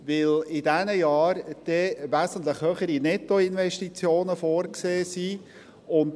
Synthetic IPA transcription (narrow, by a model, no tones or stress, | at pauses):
ʋɪlɪdɛnəjɑːɾd̥ɛʋæsən̩t̪̬ləχhøːχəɾinɛtːoɪnʋɛʃtit͡sjoːnəfoːɾkseːsi | ʊnt